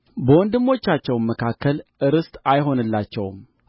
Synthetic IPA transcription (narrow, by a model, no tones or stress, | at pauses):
bəwɔnd̪ɨmːo̞t͡ʃːat͡ʃːɛwnmːəkʰakʰːəlʔɨɾɨst̪ʼajɦo̞nɨlːat͡ʃːɛ̰wm